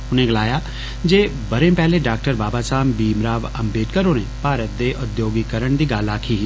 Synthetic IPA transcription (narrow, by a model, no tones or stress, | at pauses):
ʊnẽɡɐlaːjaː | d͡ʒeː | bɐɾẽpɛːleɖaːk̚ʈəɾbaːbasaːmbiːmɾaːʋɐmbeːʈkəɾonẽpaːɾət̪̚d̪eːʔʊd̪joːɡikəɾəɳ̃d̪iːɡaːlaːkʰiː